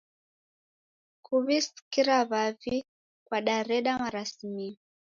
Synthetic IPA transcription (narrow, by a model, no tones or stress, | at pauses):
kuβisi̥kiɾaβavi | kwaɗaɾɛɗamaɾasimi